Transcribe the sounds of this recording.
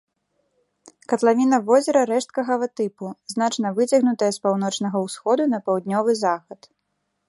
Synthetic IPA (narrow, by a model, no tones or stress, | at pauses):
kɐt̪lˠavʲinɐvɔzʲɛɾɐɾɛʂt̪̚kɐɣɐvɐt̪ɨpuznat͡ʂnɐvɨt͡sʲɐɣnut̪ɐjɐspawnɔt͡ʂnɐɣɐwsxɔd̪unɐpawd̪̚nʲɔvɨzaxɐt̪